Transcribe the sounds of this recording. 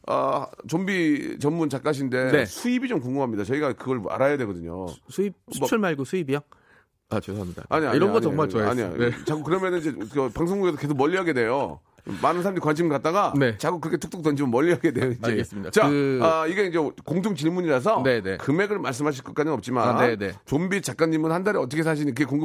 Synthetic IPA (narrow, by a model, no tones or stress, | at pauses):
ʌ̰t͡ɕombit͡ɕʌmmunt͡ɕak͈aɕ̬ʰinde̞nesʰuibid͡ʑomkoŋɡumɦamɲidat͡ɕʌiɡakɯɡʌɭa̰ɾajadwe̞ɡʌdɯɲo̰sʰuip̚ʌuɭmaɭɡosʰuibiaŋ | at͡ɕosamida̰aɲiaiɾʌnɡʌɲʌŋmaɭt͡ɕoaa̰ɲḭt͡ɕaɡukɯɾʌmjʌnɯnid͡ʑekɯpaŋs̬ʰoŋɡuɡes̬ʰʌke̞s̬ʰok̚mʌʎːiɦaɡe̞dwe̞jo | manɯnsʰaɾamdeɾikwanɕ̬ʰimɯɭkat̚t͈aɡanet͡ɕaɡukːɯɾkʰetʰuk̚t͈ok̚t͈ʌnd͡ʑʰimɯnmʌʎːiɦaɡedwe̞joiaeɡes͈ɯmidat͡ɕaʌiɡe̞ind͡ʑekoŋtʰoŋt͡ɕiɭmuɲiɾas̬ʰʌnenekɯme̞ɡɯɭmaɭs̬͈ɯmɦaɕ̬ʰiɭk͈ʌk͈adɯŋʌp̚t͡ɕ͈imaenet͡ɕombit͡ɕak͈̚aɲːimɯnhandaɾiʌt̬͈ʰʌkʰe̞sʰaɕ̬ʰiɲikɯɡek̬oŋɡɯ